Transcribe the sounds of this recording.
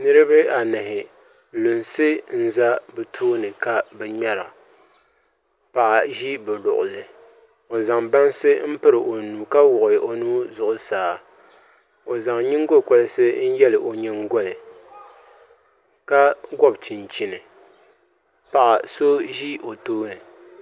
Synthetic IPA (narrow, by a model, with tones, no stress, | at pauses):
nɨ˦ɾɨ˦bɨ˦a˨nɨ˨hɪ˨ | lu˨nsɨ˦n̩˦za˦bɨ˨tʰoː˦nɨ˨ka˦bɛ˨ɲɛ˦la̰˨ | pa˨ʔa˨ʒi˦bɨ˨lʊ̰˨ʔʊ̰˨lɨ˨ | o˨za˨ŋba˦nsɨ˦m̩˦pɨ˦ɾɨ˨ʔo˨nu˨ka˦wʊ˨ʔʊ˨jɪ˨ʔo˨nuː˦zʊ˨ʔʊ˨saː˦ | o˨za˨ŋɲɪ˦ŋ˦ɡo˦˨ko˦lɨ˦sɨ˦n̩˦jɛ˦lɨ˨ʔo˨ɲɛ˦ŋɡo˦lɨ˨ | ka˦ɡɔ˦bt͡ʃi˨nt͡ʃi˨nɨ˨ | pa˨ʔa˨so˦ʒi˦o˨toː˦nɨ˨